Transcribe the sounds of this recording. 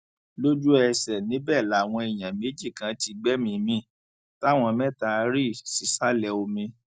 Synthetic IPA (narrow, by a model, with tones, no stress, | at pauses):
lo˦d͡ʒu˦ɛ˧sɛ˨nĩ˨˦bɛ˦˨la˨˦˨w̃ɔ̃˧e˨j̃ã˨me˨˦d͡ʒi˦˨kã˨˦ti˧ɡ͡bɛ˦mĩ˧mĩ˧˦ | ta˦˨w̃ɔ̃˧mɛ̃˦ta˧˦ɾi˦˨si˨˦sa˦lɛ˧o˧mĩ˧